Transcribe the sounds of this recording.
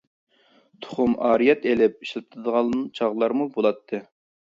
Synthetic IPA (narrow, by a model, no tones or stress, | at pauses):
t̪ʰʊ̥χʊmɑːɾijɛt̪elɪp̚i̥ʃlɨt̪ʰɨd̪əʁɑt͡ʃʰɑʁlˠɑɾmubolˠɑt̪ʰːɨ